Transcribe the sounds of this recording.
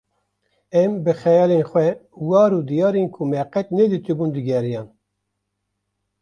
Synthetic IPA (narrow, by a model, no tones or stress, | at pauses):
ɛmbɨxɛjɑːlenxwɛwɑːɾud̪ijɑːɾenkʰumɛqɛt̪nɛd̪ɨt̪ɨbund̪ɨɡʲɛɾijɑːn